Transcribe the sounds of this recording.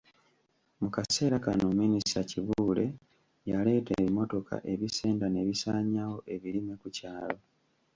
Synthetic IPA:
mukase̞ːɾakanominisaciβuuːle̞ | jale̞ːtḛːβimo̞to̞kʰa̰ʔe̞βise̞ːndane̞βisaːɲawo̞ʔe̞βiɾime̞kucaːlo̞

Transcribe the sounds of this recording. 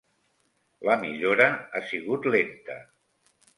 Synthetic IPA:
ləmiʎoɾəasiɣut̪lent̪ə̰

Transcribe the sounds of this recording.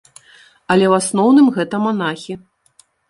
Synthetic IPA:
ɐlʲɛwasnɔwnɨmɣɛt̪ɐmanaxʲi

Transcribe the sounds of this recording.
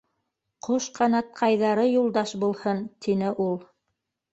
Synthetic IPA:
qʰoʃqʰɑnɑt̪̚qʰɑjðɑɾɤjulˠd̪ɑʃbulˠhɤnt̪inɘʔulˠ

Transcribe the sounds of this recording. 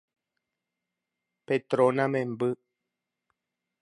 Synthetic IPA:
pet̪ɾonãmẽmbɨ

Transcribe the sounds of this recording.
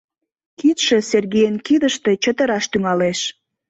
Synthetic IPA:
kit̪ʃə̆serɣejənkiðəʃt̪e̽t͡ɕət̪ə̆ɾɑʃt̪yŋɑleʃ

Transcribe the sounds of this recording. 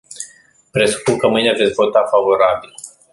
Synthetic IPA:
pɾe̞su̥pukəmɨjneave̞t̪sʲvo̞t̪afavo̞ɾabil

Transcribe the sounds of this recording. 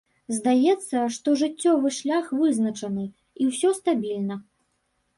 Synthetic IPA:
zd̪ajɛt̪sːɐʂt̪ɔʐɨt͡sʲːɔvɨʂlʲaxvɨznɐt͡ʂɐnɨ | iwsʲɔst̪abʲilʲnɐ

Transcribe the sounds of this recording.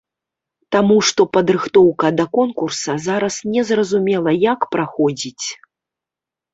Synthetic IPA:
t̪amuʂt̪ɔpɐd̪ɾɨxt̪ɔwkɐd̪ɐkɔnkursɐzaɾɐsnʲɛzrɐzumʲɛlˠɐjakpɾaxɔd͡zʲit͡sʲ

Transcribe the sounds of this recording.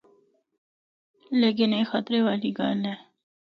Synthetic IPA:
leːk̬ɪneːxat̪ɾeʋaːliɡa̰ːlɦɛː

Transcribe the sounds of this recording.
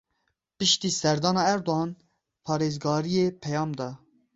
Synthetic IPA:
pɨʃt̪iːsɛɾd̪ɑːnɑːɛɾd̪oɦɑːn | pʰɑːɾeːzɡɑːɾijepʰɛjɑːmd̪ɑː

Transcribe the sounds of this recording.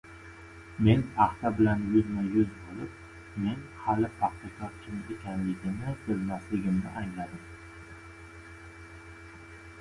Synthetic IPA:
me̞naχt̪ʰabɪlanjʊzmajʊzbolˠɪp̚ | me̞nhalɪfʰɑχt̪ʰakʰɒɾkʲʰɪmekʲʰanlɪɡʲɪnɪbʊlmaslɪɡʲɪmnɪ̰ʔaŋlad̪ɪm

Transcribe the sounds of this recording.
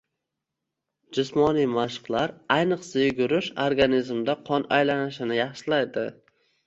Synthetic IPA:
d͡ʒʊsmɒnijmaʃqlˠaɾajnɨqsajʊɡʊɾɪʃoɾɡanizmd̪aqʰɒna̰jlanɪʃɪnɪjɑχʃɪlajd̪ɪ

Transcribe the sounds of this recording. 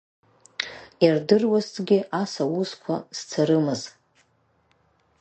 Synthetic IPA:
jardɨrwaztʼɡʲɪʔasawuzkʷʰa̰z̥t͡sʰaɾɨmɨz

